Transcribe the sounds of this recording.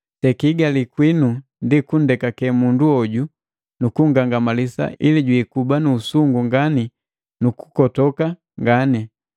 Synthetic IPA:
tɛkiɡalikwinu | ndikun̩dɛkakɛmunduɔɟu | nukuŋɡaŋɡamalisa̰ʔiliɟwiːkubanuːsuŋɡuŋɡani | nuku̥kɔtɔka | ŋɡani

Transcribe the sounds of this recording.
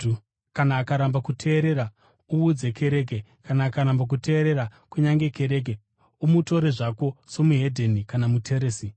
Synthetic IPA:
kanaːkaɾambakutʰe̞ːɾe̞ɾa | uud͡ze̞ke̞ɾe̞ːk̬ekanaːkaɾambak̬utʰe̞ːɾe̞ɾakuɲaŋɡe̞ke̞ɾe̞ːk̬e | umuto̞ɾe̞ʐako̞so̞muɦe̞dʱe̞nikanamutʰe̞ɾeːsi

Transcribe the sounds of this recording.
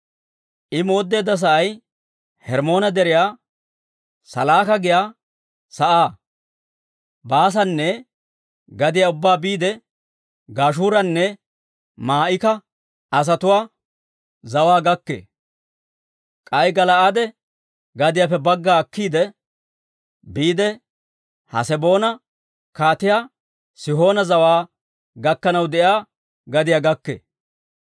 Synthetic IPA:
ʔɪmo̞ːd̪ːeːd̪ːɐs̬ɐʔɐj | hɛɾmo̞ːnɐd̪ɛɾɪjaː | sɐ̰laːkɐɡɪjaː | sɐʔaː | baːs̬ɐnːɛ | ɡɐd̪ɪjaʊbːaːbiːd̪ɛ | ɡaːʃuːɾɐnːɛ | maːʔɪkɐ | ɐs̬ɐt̪ʊwaː | zɐwaːɡɐkːḛː | kʼɐjɡɐlɐaːd̪ɛ | ɡɐd̪ɪjaːfɛbɐɡːaːkːiːd̪ɛ | biːd̪ɛ | hɐ̰sɛbo̞ːnɐ | kaːt̪ɪjaː | sɪɦo̞ːnɐzɐwaː | ɡɐkːɐnɐwd̪ɛjaː | ɡɐd̪ɪjaːɡɐkːḛː

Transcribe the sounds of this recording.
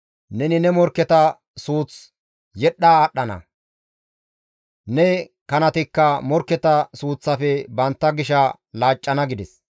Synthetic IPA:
nɛnɪnɛmɔɾkːɛt̪ɐ | suːt͡s | jɛɗːaːɗːɐnɐ̰ | nɛ | kɐnɐt̪ɪkːɐmɔɾkːɛt̪ɐsuːt͡sːɐfɛbɐnt̪ːɐɡɪʃɐ | laːt͡ʃʼːɐnɐɡɪd̪ɛs

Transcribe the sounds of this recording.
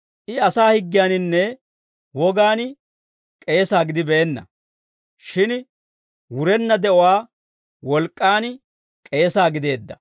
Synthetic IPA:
ʔɪɐsaːhɪɡːɪjaːnɪnːɛ | wɔɡaːn | kʼe̞ːsaːɡɪd̪ɪbɛːnːɐ̰ | ʃɪn | wʊɾɛnːɐd̪ɛʔɔwaː | wɔlkʼːaːn | kʼe̞ːsaːɡɪd̪e̞ːd̪ːɐ

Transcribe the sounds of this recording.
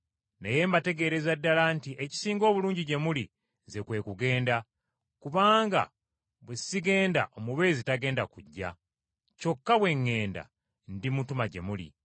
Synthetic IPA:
neje̞ːmbate̞ɡe̞ɾe̞zadːalantiʔe̞ci̥siːŋɡo̞ːβuluːɲɟiɟe̞muli | ze̞kwe̞ːkuɡe̞ːnda | kuβaːŋɡa̰ | βwesiɡe̞ːndaʔo̞muβe̞ːzitaɡe̞ːndakuɟːa̰ | co̞kːaβwe̞ŋːe̞ːnda̰ | ndimutumaɟe̞̰mulḭ

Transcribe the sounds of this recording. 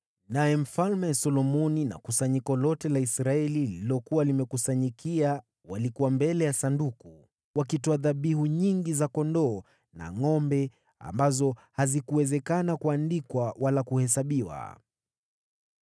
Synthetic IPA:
najɛm̩falmɛsɔlɔmɔnina̰kusaɲikɔlɔtɛlaisɾaɛlililɔkuwalimɛkusaɲikʰia | walikuwambɛlɛjasanduku | wakitɔaðaɓiɦuɲiŋɡizakɔndɔː | na̰ŋɔmbɛ | a̰mbazɔhazikuwɛzɛkanakuandikwawalakuhɛs̬aɓiwa̰

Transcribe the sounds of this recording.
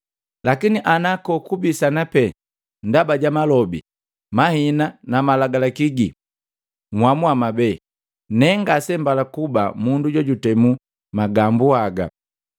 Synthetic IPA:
lakiniʔanakɔkubisanapɛ | ndabaɟamalɔbḭ | mahinanamalaɡalakiɡi | mwamuamabɛ | nɛŋɡasɛmbalakuba̰munduɟɔɟutɛmu | maɡambuaɡa̰

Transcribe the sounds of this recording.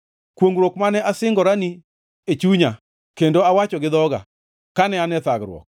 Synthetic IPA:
kwoŋɡɾwokmanɛʔasɪŋɡɔɾani | et͡ʃuɲa | kendoawat͡ʃɔɡɪd̪ɔɡa̰ | kanɛanɛt̪aɡɾwɔ̰k̚

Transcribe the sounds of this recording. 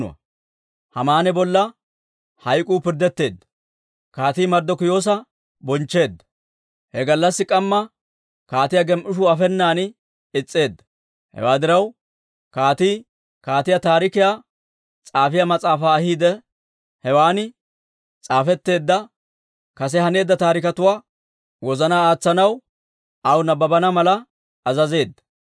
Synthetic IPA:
ʊ̰ɐ̰ | hɐmaːnɛbɔlːɐ | hɐjkʼuːpɪɾd̪ɛt̪ːe̞ːd̪ːɐ̥ | kaːt̪iːmɐɾd̪ːɔkʊjo̞ːs̬ɐ | bɔnt͡ʃːe̞ːd̪ːɐ̥ | hɛɡɐlːɐsːɪkʼɐmːɐ | kaːt̪ɪjaɡɛmʔʊʃ̬ʊɐfɛnːaːn | ɪt͡sʼːe̞ːd̪ːɐ̥ | hɛ̰waːd̪ɪɾɐw | kaːt̪iː | kaːt̪ɪjat̪aːɾɪkɪjaː | t͡sʼaːfɪjamɐt͡sʼaːfaːhiːd̪ɛ | hɛwaːnɪ | t͡sʼaːfɛt̪ːe̞ːd̪ːɐ | kɐs̬ɛhɐne̞ːd̪ːɐt̪aːɾɪkɐt̪ʊwaː | wɔzɐnaːaːt͡sːɐnɐw | ʔɐwnɐbɐbɐnɐmɐlɐː | zɐze̞ːd̪ːɐ̥

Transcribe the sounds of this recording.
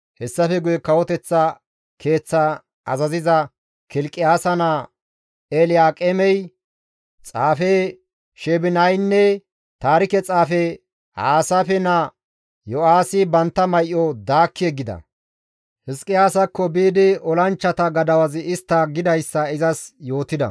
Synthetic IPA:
hɛsːɐfɛɡʊjɛkɐwɔt̪ɛt͡sːɐ | kʰe̞ːt͡sːɐ | ɐzɐzɪzɐ | kɪlkʼːɪjaːsɐna | elɪjaːkʼɛmɛj | t͡sʼaːfɛ | ʃɛbɪnɐjnːɛ | t̪aːɾɪkɛt͡sʼaːfɛ | ha̰ːsɐfɛnɐ | jɔaːsɪbɐnt̪ːɐmɐjʔɔd̪aːkːɪɛɡɪd̪ɐ̰ | hɪskʼɪjaːsɐkːɔbiːd̪ɪɔlɐnt͡ʃːɐt̪ɐɡɐd̪ɐwɐzɪɪst̪ːɐɡɪd̪ɐjsːɐɪzɐsjo̞ːt̪ɪd̪ɐ̰

